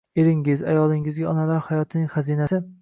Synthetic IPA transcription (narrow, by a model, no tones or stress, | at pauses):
eɾɪŋɪza̰jɒlˠɪŋɪzɡʲaɒnalaɾhajɒt̪ʰɪnɪŋχazinasɪ